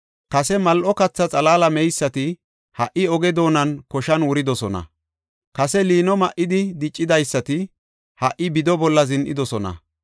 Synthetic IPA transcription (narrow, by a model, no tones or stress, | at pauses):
kɐsɛmɐlʔɔkɐt͡sːɐt͡sʼɐlaːlɐmɛjsːɐt̪ɪ | hɐʔɪɔɡɛd̪o̞ːnɐnkɔʃɐnwʊɾɪd̪ɔsɔnɐ̰ | kɐsɛliːnɔmɐʔɪd̪ɪd̪ɪt͡ʃʼːɪd̪ɐjsːɐt̪ɪ | hɐʔɪbɪd̪ɔbɔlːɐzɪnʔɪ̰d̪ɔsɔnɐ̰